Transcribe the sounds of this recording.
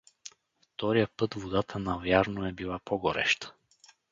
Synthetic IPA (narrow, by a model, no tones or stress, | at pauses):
ft̪ɔɾijəpɤt̪vod̪at̪ʰənɐvjaɾnoɛbilˠapɔɡɔɾɛ̰ʃt̪ə̥